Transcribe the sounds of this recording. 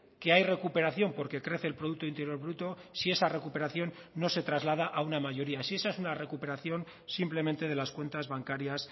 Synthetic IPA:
ke̞ajre̞kupe̞ɾaθjo̞mpo̞ɾke̞kɾe̞θe̞ːlpɾo̞ð̞uk̚t̪oint̪e̞ɾjo̞ɾβɾut̪o̞sie̞sare̞kupe̞ɾaθjo̞nːo̞se̞t̪ɾazlað̞aʔaunamaʝo̞ɾiasie̞sae̞sunare̞kupe̞ɾaθjo̞n | simple̞ment̪e̞ð̞e̞laskwe̞nt̪azβaŋkaɾjas

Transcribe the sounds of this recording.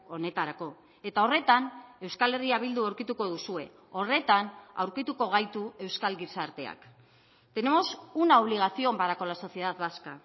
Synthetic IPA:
o̞ne̞t̪aɾako̞ | e̞t̪ao̞re̞t̪ane̞wskale̞riaβ̞ild̪uawɾkit̪uko̞ðusue̞̰ | o̞re̞t̪ana̰wɾkit̪uko̞ɣ̞ajt̪ue̞wskalɡisaɾt̪e̞a̰k | t̪e̞ne̞mo̞sunaoβ̞liɣ̞aθio̞mbaɾako̞laso̞θie̞ðat̪βaska̰

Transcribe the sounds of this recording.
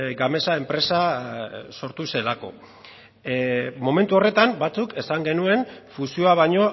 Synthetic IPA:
ɡame̞sae̞mpɾe̞sa | so̞ɾt̪use̞lako̞̰ | mo̞me̞nt̪uo̞re̞t̪ambat͡suke̞saŋɡe̞nue̞nfusio̞aβ̞aɲo̞

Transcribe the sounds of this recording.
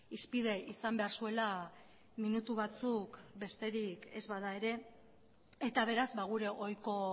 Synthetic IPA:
ispið̞e̞ʔisambe̞aɾsue̞la | minut̪uβ̞at͡sukbe̞st̪e̞ɾike̞zβað̞ae̞ɾe̞ | e̞t̪aβ̞e̞ɾazβaɣ̞uɾe̞ʔo̞jko̞

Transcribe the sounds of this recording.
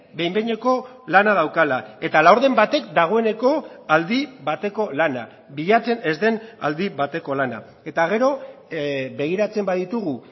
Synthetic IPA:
be̞jmbeɲe̞ko̞ | lanað̞awkalae̞t̪alawɾðe̞mbat̪e̞k̚d̪aɣ̞o̞e̞ne̞ko̞ald̪iβat̪e̞ko̞lana̰ | βiʎat͡se̞ne̞zd̪e̞na̰ld̪iβat̪e̞ko̞lana̰ | e̞t̪aɣ̞e̞ɾo̞ | be̞ɣ̞iɾat͡se̞mbaðit̪uɣu

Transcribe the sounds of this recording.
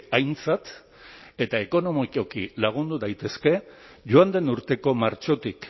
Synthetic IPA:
ajnt͡sat̪ | e̞t̪aeko̞no̞mikokilaɣ̞und̪uðajt̪e̞ske̞ʝoand̪e̞nuɾt̪e̞ko̞maɾt͡ʃo̞t̪ik

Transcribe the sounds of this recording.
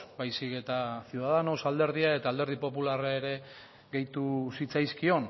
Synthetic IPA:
bajsike̞t̪asjuðaðanosald̪e̞ɾð̞iae̞t̪aːld̪eɾðipo̞pularaeɾe̞ | ɣe̞jt̪usit͡sajskio̞n

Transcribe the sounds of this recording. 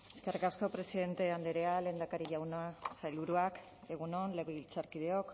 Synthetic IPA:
e̞ske̞rikasko̞pɾe̞siðe̞nt̪e̞and̪eɾeale̞ːnd̪akaɾiʝawnasajlβuɾuak | e̞ɣ̞uno̞nleβeβilt͡saɾkið̞eo̞k

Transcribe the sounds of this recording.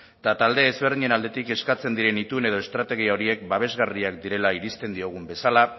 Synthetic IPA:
t̪at̪ald̪e̞ːzβe̞ɾð̞iɲe̞nald̪et̪ike̞skat͡se̞nd̪iɾe̞nit̪une̞ð̞o̞e̞st̪ɾat̪e̞ɣ̞iao̞ɾie̞k̚baβ̞e̞zɣariak̚d̪iɾe̞laiɾist̪e̞nd̪io̞ɣ̞umbe̞sala

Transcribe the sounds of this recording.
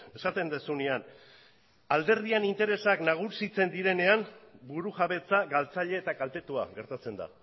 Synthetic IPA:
e̞sat̪e̞nd̪esunian | ald̪e̞ɾðianint̪e̞ɾe̞saknaɣ̞usit͡se̞nd̪iɾe̞ne̞ambuɾuʝaβe̞t͡saɣalt͡saʎe̞ːt̪akalt̪e̞t̪ua̰ɣe̞ɾt̪at͡se̞nd̪a̰

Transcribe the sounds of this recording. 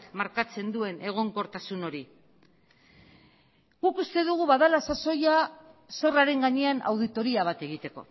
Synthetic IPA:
kmaɾkat͡se̞nd̪ue̞ne̞ɣ̞o̞ŋko̞ɾt̪asuno̞ɾi | ɡukust̪e̞ðuɣ̞uβaðalasaso̞jaso̞raɾe̞ŋɡaɲe̞ana̰wð̞it̪o̞ɾiaβ̞at̪e̞ɣ̞it̪e̞ko̞̰

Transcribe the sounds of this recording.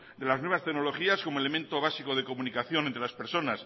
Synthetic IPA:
d̪e̞laznweβast̪enolo̞xiasko̞moele̞ment̪o̞β̞asikoð̞e̞ko̞munikaθjo̞nent̪ɾe̞laspe̞ɾso̞nas

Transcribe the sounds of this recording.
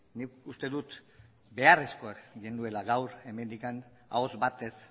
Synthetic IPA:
nikust̪e̞ðut̪ | be̞aresko̞akɡind̪ue̞laɣawɾe̞me̞nd̪ikan | a̰ozbat̪e̞s

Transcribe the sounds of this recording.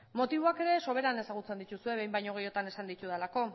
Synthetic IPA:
mo̞t̪iβ̞oake̞ɾe̞so̞β̞e̞ɾane̞saɣ̞ut͡se̞nd̪it̪usue̞βe̞jmbajɲo̞ɣ̞ejo̞t̪ane̞sand̪it̪uðelako̞

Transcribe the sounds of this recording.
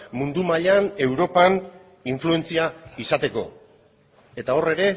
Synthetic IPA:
mund̪umaʎane̞wɾo̞pan | iɱflue̞nt͡siaisat̪e̞ko̞ | e̞t̪ao̞re̞ɾe̞

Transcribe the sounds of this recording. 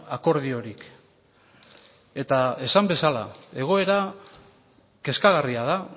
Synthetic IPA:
ako̞ɾðio̞ɾik | e̞t̪ae̞sambe̞sala̰e̞ɣ̞o̞e̞ɾa | ke̞skaɣ̞ariað̞a

